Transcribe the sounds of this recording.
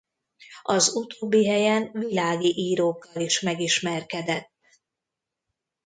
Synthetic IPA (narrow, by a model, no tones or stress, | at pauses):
ɒzut̪oːbːiɦɛjɛnvilaːɡiʔiːɾoːkːɒliʃmɛɡiʃmɛrkɛd̪ɛt̪ː